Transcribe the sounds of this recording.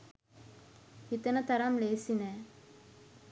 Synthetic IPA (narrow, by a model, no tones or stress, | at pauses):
hit̪ənət̪aɾamleːsinɛː